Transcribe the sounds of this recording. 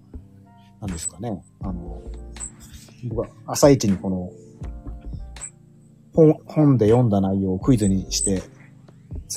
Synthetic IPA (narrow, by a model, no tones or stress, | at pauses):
nãnd̪e̞sɨ̥kane̞ano | bokaasait͡ɕiɲ̟iko̞no̞ | hõhõ̞nd̪e̞jõ̞nd̪anaijo̞ːkɯ̟izɨɲ̟iɕi̥t̪e̞ | s